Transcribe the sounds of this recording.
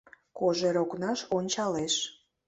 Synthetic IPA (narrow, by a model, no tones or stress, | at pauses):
koʒeɾoknɑʃonʲt͡ɕɑleʃ